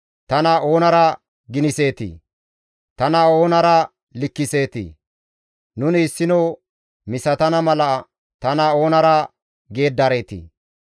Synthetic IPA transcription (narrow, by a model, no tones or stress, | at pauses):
t̪ɐnɐo̞ːnɐɾɐ | ɡɪnɪse̞ːt̪ḭ | t̪ɐnɐo̞ːnɐɾɐ | lɪkːɪse̞ːt̪ḭ | nʊnɪːsːɪno | mɪsɐt̪ɐnɐmɐlɐ | t̪ɐnɐo̞ːnɐɾɐ | ɡe̞ːd̪ːɐɾeːt̪ḭ